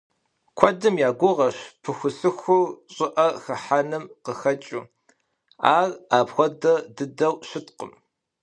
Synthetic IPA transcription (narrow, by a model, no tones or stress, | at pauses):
kʷʰɔdɨmjaːɡʷʊʁɐʃpʰɨxʷʊsɨxʷʊrɕʼɪʔɐxɐħanɨmqəxɐt͡ʃʼu | a̰ːraːpxʷɔdɐdɨdɐwɕɪtqə̰m